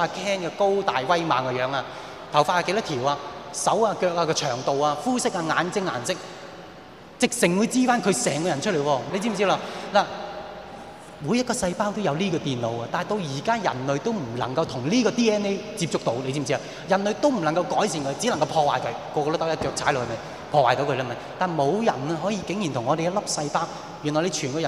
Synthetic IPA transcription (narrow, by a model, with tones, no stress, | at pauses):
a˧kʰɛː˥nkɛː˧ko˥wt̪aː˨jwɐ˥jma̰ː˨˩ŋaː˧jœː˨˧˥ŋaː˧ | t̪ʰɐ˨˩wfa˧˥aː˧ke˨˧˥lɐ˥t̪ʰiː˨˩waː˧sɐ˨˥waː˧kœː˧k̚aː˧kɔː˧t͡ʃʰœː˨˩ŋt̪o˨waː˧fuː˥sɪ˥k̚aː˧ŋaː˨˧nt͡sɪ˥ŋːa̰ː˨˩nsɪ˥k̚ | t͡sɪ˨k̚sɪ˨ŋwuː˨˧jt͡siː˥faː˥nkʰɵ˨˧ɥsɛː˨˩ŋkɔː˧jɐ˨˩nt͡ʃʰɵ˥t̚le˨˩jwɔː˧le˨˧jt͡siː˥m̩˨˩t͡si˥laː˧laː˨˩ | muː˨˧jɐ˥t̚kɔː˧sɐ˧jpaː˥wt̪o˥wjɐ˨˧wliː˥kɔː˧t̪iː˨nlo˨˧wa˧t̪aː˨jt̪o˧wjiː˨˩kaː˥jɐ̰˨˩nlɵ˨˧ɥt̪o˥wm̩˨˩lɐ̰˨˩ŋkɐ˧wt̪ʰʊ˨˩ŋliː˥kɔː˧t̪iː˥ɛː˥ne˥jt͡siː˧p̚t͡sʊ˥k̚t̪o˨˧wle˧t͡ɕt͡siː˧˥m˨˩t͡siː˥la˧ | jɐ˨˩nlɵ˨˧ɥt̪o˥wm̩˨˩lɐ˨˩ŋkɐ˧wkɔː˨˥jsiː˧nkʰɵ˨˧ɥt͡si˨˥lɐ˨˩ŋkɐ˧wpʰɔː˧waː˨jkʰɵ˨˧ɥkɔː˧kɔː˧t̪o˥t̪ɐ˥jɐ˥t͡ʃœː˧k̚ʰaː˨˥jlɔ˨˧kːhmɐ˨˧j | pʰɔː˧waː˨˩jt̪o˧˥wkʰːla˥˧˩mɐ˨˧jt̪aː˨˩nmo˨˧wjɐ̰˨˩nɛ˧ɦɔː˨˥jiː˧kɪ˨˥ŋji˨nt̪ʰʊ˨˩ŋɔː˨˧ɾe˨jɐ˥t̚lɐ˥p̚sɐ˧jpaː˥w | jy˨˩nɔ˨˩jle˨˧t͡ʃʰyː˨˩nkɔː˧jɐ˨